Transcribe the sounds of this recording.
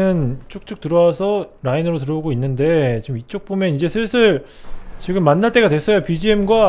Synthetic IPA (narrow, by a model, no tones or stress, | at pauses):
ɯnt͡ɕʰok̚t͡ɕ͈ʰuk̚t͈ɯɾʌwasʰʌɾainɯɾot̬ɯɾʌoɡoinːɯnde̞t͡ɕimit͡ɕ͈ok̚p͈omjʌnid͡ʑe̞sʰɯɭsʰɯɭt͡ɕiɡɯmːanːaɭt͈e̞ɡadwe̞s͈ʌjopid͡ʑiemɡwa